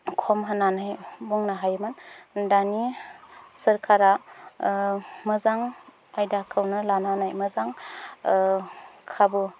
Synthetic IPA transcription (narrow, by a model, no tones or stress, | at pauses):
kʰɔmɦananajbuŋnaɦajmɯndani | sɯɾkʰaɾa | mɯzaŋ | ajdakʰɯwnɯlananajmɯzaŋ | kʰabɯ